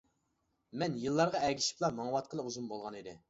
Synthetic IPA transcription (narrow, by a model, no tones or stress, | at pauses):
mɛnjɨlˠːɑɾʁɑɛɡʲiʃi̥plˠɑmɑŋwɑt̪̚qʰəlˠɨuzumbolˠʁɑnid̪ɪ̰